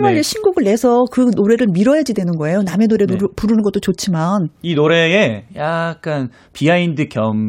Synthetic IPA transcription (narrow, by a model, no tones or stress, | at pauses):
maɾeɕʰinɡoɡɯɭːe̞sʰʌkɯnoɾe̞ɾɯɭmiɾʌɦad͡ʑidwe̞nɯnɡʌe̞joname̞noɾe̞puɾɯnɯnɡʌt͈ot͡ɕot͡ɕʰimaninoɾe̞ejak̚k͈an | piaindɯkjʌm